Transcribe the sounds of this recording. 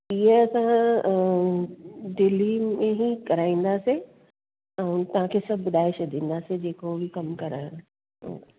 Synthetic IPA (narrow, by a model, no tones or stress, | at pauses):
iɦeɐsã | ɖɪlimẽɦikɐɾaːĩːn̆d̪aːse | ɛ̃ũt̪ɐʋ̤ãkʰeːsɐbʱbʊd̪ʱaːɪʃd̪ʱĩːn̆d̪aːsed͡ʑeːkobʱikɐmkɐɾa̰ | o̰